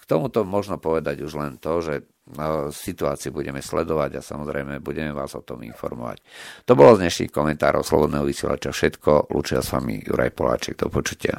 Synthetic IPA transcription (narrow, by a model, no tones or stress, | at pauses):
kt̪ɔmut̪ɔmɔʒnɔpɔʋɛd̪aɟuʒlɛnt̪ɔʒɛ | sit̪uaːt͡siubuɟɛmɛslɛd̪ɔʋaɟasamɔzɾɛjmɛbuɟɛmɛʋaːzɔt̪ɔmḭnfɔ̰ɾmɔ̰ʋa̰ct̪ɔbɔlɔzɲɛʃnḭxkɔmɛnt̪aːɾɔ̰ʊslɔ̰bɔd̪nɛːɦɔʋisjɛla̰t͡ʃafʃɛt̪kɔlṵːt͡ʃiasamḭjuɾa̰jpɔla̰ːt͡ʃɛɡ̚d̪ɔpɔt͡ʃu̥cɪa̰